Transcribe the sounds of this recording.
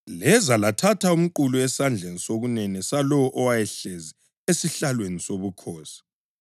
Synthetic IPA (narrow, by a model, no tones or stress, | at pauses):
lɛzalatʰatʰaum̩ǃuluɛsand͡ɮʱenisoɣunɛnɛsalɔwɔʔɔwajɛɬezi | esiɬalwenisoβukʰɔːsi̥